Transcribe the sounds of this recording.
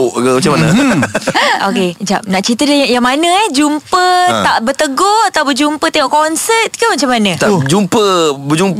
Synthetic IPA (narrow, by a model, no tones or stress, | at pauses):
ʔɡəmat͡ʃamanə | oked͡ʒa̰p̚naʔt͡ʃit̪ədəjaŋmanəɛhd͡ʒumpət̪aʔbət̪əɡoat̪awbəd͡ʒumpət̪eŋɔʔkɔnsət̪̚kəmat͡ʃamːanət̪ad͡ʒumpəbəd͡ʒump